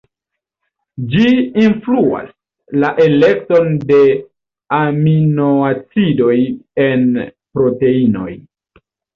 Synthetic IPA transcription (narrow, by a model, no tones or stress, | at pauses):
d͡ʒiinflua̰s | laʔe̞le̞k̚to̞nde̞ | aminoat͡sido̞jen | pɾo̞te̞ino̞̰j